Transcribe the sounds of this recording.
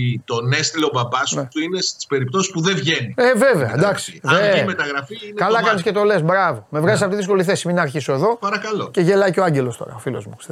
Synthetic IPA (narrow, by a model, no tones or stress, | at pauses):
t̪o̞nest̪ilo̞bɐbɐsnet̪uinest̪i̥spe̞ɾip̚t̪o̞si̥spuðevʝenieveveɐd̪ɐksi̥emet̪ɐɣɾɐfiinekɐlɐkɐnisce̞t̪o̞le̞sbɾɐvo̞me̞vɾɐzis̬ɐft̪iðisko̞liθesiminɐːɾçiso̞e̞ðo̞pɐɾɐkɐloce̞ʝelɐjceoaɲɟelost̪o̞̰ɾɐ̰ofilo̞̰zmus